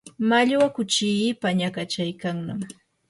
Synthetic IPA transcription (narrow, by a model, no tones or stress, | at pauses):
maʎwakʊt͡ʃɪpaɲakat͡ʃajkaŋnam